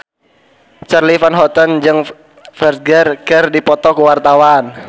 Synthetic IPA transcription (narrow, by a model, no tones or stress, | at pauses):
t͡ʃarlifanɦɔt̪ənd͡ʒɨŋ | fɛrt̚ɡərkərdipɔt̪ɔkuwart̪awan